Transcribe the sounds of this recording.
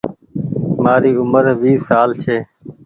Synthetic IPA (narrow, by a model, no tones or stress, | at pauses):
maːɾiːʊməɾʋiːsaːlt͡ʃʰeː